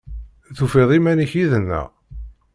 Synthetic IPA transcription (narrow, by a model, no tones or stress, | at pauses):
θufeðˤimæniçiðənːæ̰